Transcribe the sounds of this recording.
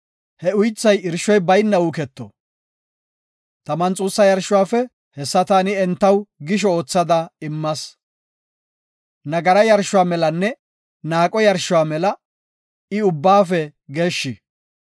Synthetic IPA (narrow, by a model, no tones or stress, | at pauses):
hɛʊjt͡sːɐjɪɾʃɔjbɐjnːɐʊkɛt̪ːɔ̰ | t̪ɐmɐnt͡sʼuːsːɐjɐɾʃʊwaːfɛ | hɛsːɐt̪aːnɪɛnt̪ːɐwɡɪʃ̬ɔoːt͡sːɐd̪ɐɪmːɐs | nɐɡɐɾɐjɐɾʃʊwaːmɛlɐnːɛ | naːkʼɔjɐɾʃːʊwaːmɛlɐ | ɪʊbːaːfɛɡe̞ːʃːɪ